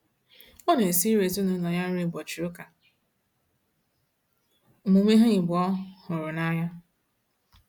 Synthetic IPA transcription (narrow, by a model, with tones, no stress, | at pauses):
ɔ˦n˨e˨si˦ɾe˨zʊ˦nʊ˨˦nɔ˨ja˦n̩˦ɾi˦˨bɔ˨t͡ʃi˨ɾʊ˦ka˨ | mu˨me˦ɦʊ˦ɲɪ˨bɔ˦hʊ˨ɾʊ˨na˦ja˦